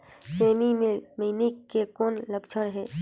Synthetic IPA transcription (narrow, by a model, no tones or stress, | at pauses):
seːmimminikːekoːnləɡt͡ʃʰəɾɦɛː